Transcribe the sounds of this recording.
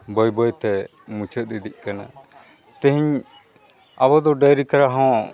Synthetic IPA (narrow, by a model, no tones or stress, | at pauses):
bɔjbɔjt̪ɛ | mũt͡ʃʰət̪̚ˀːid̪ic̚ˀkana | t̪ɛ̃ɦiɲ | abɔd̪ɔɖajɾikaɾaɦɔ̃